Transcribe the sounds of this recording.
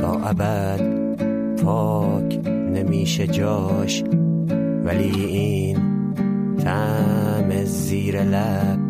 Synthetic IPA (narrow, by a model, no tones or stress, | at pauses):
ɒ̰ːʔæbæ | d̪ | pʰɒː | kʰ | nemiːʃed͡ʒɒːʃ | væliː | iː | n | t̪ʰæ | meziːɾelæ